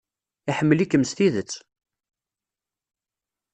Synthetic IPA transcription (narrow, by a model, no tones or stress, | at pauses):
iħəmːəlikːəmst̪iðət͡sː